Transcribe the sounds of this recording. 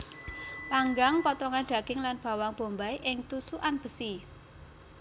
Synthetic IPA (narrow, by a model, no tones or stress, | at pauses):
paŋɡaŋpɔt̪ɔŋanɖ̪̥ä̤ɡ̥ɪŋlanb̥a̤waŋb̥o̤mbaiʔɪŋt̪usuʔanb̥ə̤si